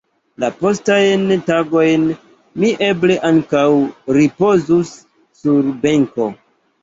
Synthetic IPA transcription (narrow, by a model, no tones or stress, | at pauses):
lapo̞stajntaɡo̞jn | miʔe̞ble̞ʔaŋkawɾipo̞zusː | uɾbe̞ŋko̞